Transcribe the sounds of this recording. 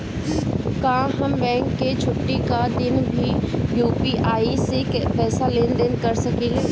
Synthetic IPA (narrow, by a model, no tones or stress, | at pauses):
kãːɦɐmbɛ̃ːŋkːet͡ʃʰʊʈːikad̪ɪnbʱijuːpiʔaːisekpɛːsaleːnd̪eːnkɐɾsɐkileː